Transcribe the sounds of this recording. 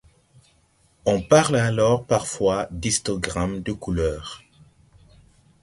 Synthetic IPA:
ɔ̃paʁlalɔʁpaʁfwad̪ist̪ɔɡʁamd̪əkulœːʁ

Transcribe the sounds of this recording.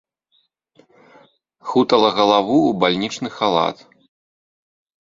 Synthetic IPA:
xut̪ɐlˠɐɣɐlˠavuːbalʲnʲit͡ʂnɨxalˠa̰t̪

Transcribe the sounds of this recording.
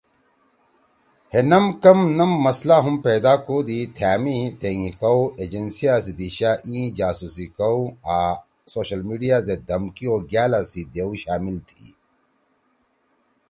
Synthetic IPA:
henɐmkɐmnɐmːɐslaːɦumpeːd̪aːkoːd̪it̪ʰjaːmit̪eːŋikɐwed͡ʑensijaːsid̪iɕaːʔĩːd͡ʑaːsusikɐwa | soːɕɐlmiːɖijaːzed̪ɐmkioːɡjaːlasid̪eːuɕaːmilt̪ʰḭ

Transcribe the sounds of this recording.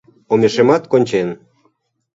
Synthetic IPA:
omʲeʃemɑt̪konʲt͡ɕen

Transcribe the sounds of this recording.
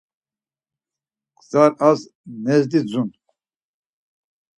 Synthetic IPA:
qʼzaɾaz | nɛzd̪id͡zunt̪

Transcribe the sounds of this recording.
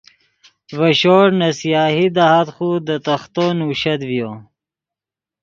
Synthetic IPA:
vɐɕoːɾnɐsijɑːɦid̪aɦat̪xud̪ət̪ɐxt̪onuɕɐd̪vjo

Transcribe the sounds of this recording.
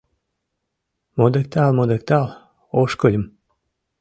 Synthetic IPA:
mod̪ek̚t̪ɑlmod̪ek̚t̪ɑlˠ | oʃkolʲə̆m

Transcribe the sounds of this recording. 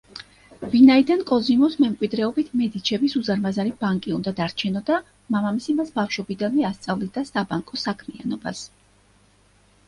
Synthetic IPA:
vinaid̪ankʼɔzimɔsmɛmkʼwid̪ɾɛɔbit̪ʰmɛd̪it͡ʃʰɛbisuzaɾmazaɾibaŋkʼiund̪ad̪aɾt͡ʃʰɛnɔd̪a | mamamisimasbafʃɔbid̪anmɛast̪sʼavlid̪asabaŋkʼɔsakʰmia̰nɔba̰s

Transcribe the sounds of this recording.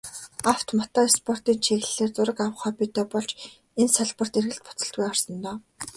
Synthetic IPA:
aw̥t̪mɔt̪ɔːespʰɔr̥t̪iːnt͡ɕʰeːx̆ɮeːrt͡sʊɾə̆kaw̆χɔːpit̪ɔːpɔɮt͡ɕ | ensaɮpə̆r̥t̪erɣɘ̆ɬt̪̚pʊ̥t͡sə̆ɬt̪̚ɡujɔrsɞ̆nt̪ɔː

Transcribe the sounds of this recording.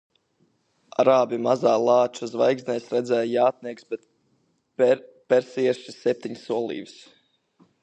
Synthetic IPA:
aɾaːbʲimazaːlˠaːt͡ʃuzvajɡsnɛjsɾɛd̪zɛjjaːt̪̚niɛksbɛt̪ | pɛɾsiɛɾʃisɛp̚t̪ʲiɲsuɔlˠḭːvs

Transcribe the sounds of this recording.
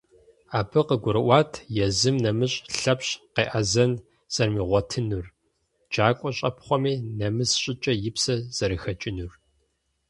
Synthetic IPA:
aːbɨqəɡʷʊɾɨʔʷɑːtʰjɛzɨmnɐmɨɕʼɬɐpɕqeːʔɐzɐn | sʼɐrmiːʁʷɔtʰɨnur | d͡ʒaːkʷʼɔɕʼɐpχʷɔmiːnɐmɨsɕʼɪt͡ʃʼɐjɪpsɐz̥ɐɾɨxɐt͡ʃʼɪnur

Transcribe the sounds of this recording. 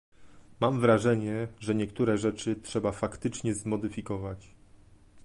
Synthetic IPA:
mamvɾaʐɛɲɛʐɛɲɛkt̪uɾɛʐɛt͡ʂɘtʂɛbafakt̪ɘt͡ʂɲɛzmɔd̪ɘfʲikɔvat͡ɕ

